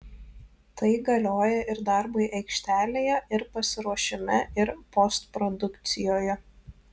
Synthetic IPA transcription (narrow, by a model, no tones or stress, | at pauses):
t̪ɐɪɡɐlʲoːjɛʔɪɾd̪ɐˑɾbɐɪʔɛɪkʃʲt̪ʲæːlʲeːjɛʔɪɾpɐsʲɪɾuɔʃʲɪmʲɛɪɾpɔst̪pɾɔd̪ʊkt̪sʲɪjoːjɛ